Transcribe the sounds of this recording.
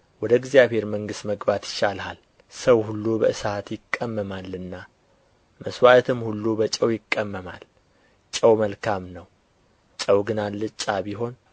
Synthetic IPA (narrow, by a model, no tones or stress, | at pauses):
wɔd̪əɡzijaβhe̞ɾməŋɡɨst̪məɡbat̪jɪʃalhal | səwhulːubəʔɨsat̪jɪkʼːəmːəmalːɨnːa | məswat̪ʰɨmhulːubət͡ʃʼəwjɪkʼːəmːəma̰l | t͡ʃʼəwməlkʰamnəw | t͡ʃʼəwɡɨnalːɨt͡ʃʼːabiɦo̞n